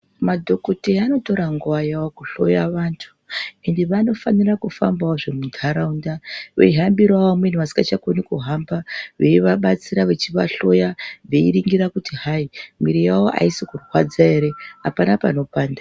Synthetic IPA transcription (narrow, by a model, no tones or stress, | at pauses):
madʱo̞koteano̞to̞ɾaŋɡuajawokuɬo̞jaʋaːntʰu̥ende̞ʋano̞fanirakufa̰mbaoʐemudʱaɾaundaʋe̞̰iɦambiɾwawomwen̤uʋasi̥ŋɡat͡ʃakonikuɦambaʋe̞iʋaɓat͡siɾaʋe̞t͡ʃiʋaɬo̞jaʋe̞iɾiŋɡiɾakutiɦaimiɾijawoʔa̰isikurwad͡zaeɾe̞apanapano̞paːnda